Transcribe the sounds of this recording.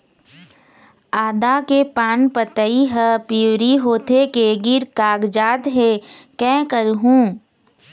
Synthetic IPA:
aːd̪akepaːnpət̪əiɦəpiwɾiɦoːt̪ʰekeɡɪɾkaːɡd͡ʒaːt̪ɦekɛ̃ːkəɾɦũː

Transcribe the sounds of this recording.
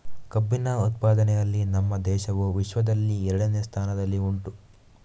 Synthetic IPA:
kɐbːinɐut̪̚paːd̪ɐnɛjɐlːinɐmːɐd̪ɛːʃɐʋuʋiʃʋɐd̪ɐlːiɛɾɐɽɐneːst̪ʰaːnɐd̪ɐlːiuɳʈu

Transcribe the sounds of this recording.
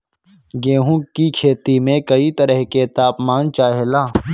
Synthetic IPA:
ɡeːɦũkikʰeːt̪imẽkɐit̪ɐɾəɦket̪aːpmaːnt͡ʃaːɦelaː

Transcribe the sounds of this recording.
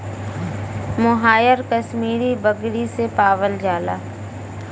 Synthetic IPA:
mʊɦaːjəɾkəʃmiːɾibəɡɽisepaːʋəld͡ʒaːla̰ː

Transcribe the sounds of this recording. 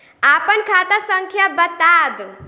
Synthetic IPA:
apənkʰat̪asəŋkʰjabət̪ad̪

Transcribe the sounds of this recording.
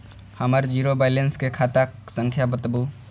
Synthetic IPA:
həməɾd͡ʒiːɾobaɪlenskekʰat̪asə̃ŋkʰjabət̪bu

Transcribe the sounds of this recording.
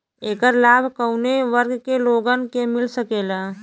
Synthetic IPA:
eːkəɾlaːbʱkəʊneʋəɾɡkeloːɡənkemɪlsəkeːlaː

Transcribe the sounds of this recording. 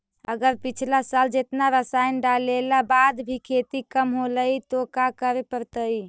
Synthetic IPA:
əɡəɾpit͡ʃʰlasald͡ʒet̪naɾəsajnɖalelabad̪bʱikʰet̪ikəmɦoləit̪okakəɾepəɾt̪əj

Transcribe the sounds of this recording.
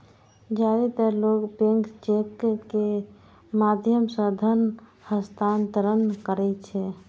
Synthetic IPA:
d͡ʒaɾit̪əlokbẽŋkt͡ʃekːe | mad̪ʱjəmsə̃d̪ʱən | həst̪ʰant̪əɾənkəɾɛt͡ʃʰɛ

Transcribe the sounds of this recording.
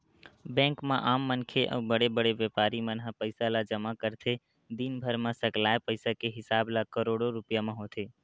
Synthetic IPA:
bɛ̃ːŋkmẽʔaːmːənkʰeʔɔ̰ːbəɽebəɽeʋjepaːɾimənɦapəɪsalad͡ʒəmakəɾt̪ʰe | d̪inbʱəɾmãsəklaːepəɪsakeɦɪsaːblakəɾoɽoɾʊpjamẽɦot̪ʰe

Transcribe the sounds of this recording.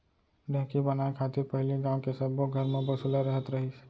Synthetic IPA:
ɖɛ̃ːkibənaːekʰaːt̪ɪɾpəɦɪliɡaːõkesəbːoɡʱəɾmẽbɐsulaɾəɦət̪ɾəɦis

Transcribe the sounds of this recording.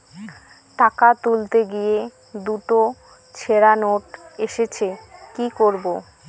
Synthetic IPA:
ʈakat̪ult̪eɡije | d̪uʈo | t͡ɕʰeɾanoʈeʃet͡ɕʰekikoɾbo

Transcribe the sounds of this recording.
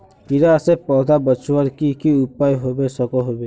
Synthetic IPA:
iɾasepɔːd̪ʱabət͡ʃwəɾkikiʊpaːiɦobesəkoɦobe

